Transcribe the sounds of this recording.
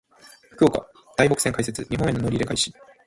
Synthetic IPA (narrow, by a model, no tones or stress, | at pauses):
ɸɯ̟̥kɯ̟oka̰ | d̪̥aibo̞kɯ̥seŋkaise̞t͡sɨɲ̟iɦõe̞nono̞ɾʲiɾe̞kaiɕi̥